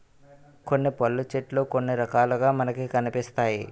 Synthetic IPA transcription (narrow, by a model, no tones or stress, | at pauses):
ko̞nːipɐlːut͡ʃeʈloːkonːiɾɐkaːluɡaːmɐnɐkikɐnipist̪aːji